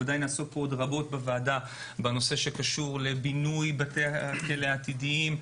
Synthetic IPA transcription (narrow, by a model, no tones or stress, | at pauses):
adajnaːso̞t̚poodʁabo̞tbevaːda | beno̞se̞ʃe̞kaʃuʁle̞binujbateaakeleat̪idiim